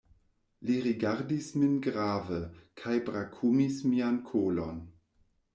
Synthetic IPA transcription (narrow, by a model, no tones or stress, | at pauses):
liɾiɡaɾdisminɡɾaːvəkʰajbɾakʰumismiankʰolon